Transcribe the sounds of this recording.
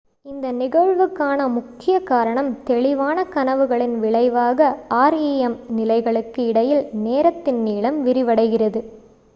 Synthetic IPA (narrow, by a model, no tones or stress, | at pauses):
ɪnd̪ɐnɪɣɐɻʋɯkːaːnɐmʊkːɪjɐkaːɾɐɳɐmt̪ɛɭɪʋaːnɐkɐnɐʋɯɣɐɭɪnʋɪɭɐɪʋaːɣɐaːɾiɛmnɪlɐɪɣɐɭɯkːɯɪɽɐjɪlneːɾɐt̪ːɪnniːɭɐmʋɪɾɪʋɐɽɐɪɣɪrɐðɯ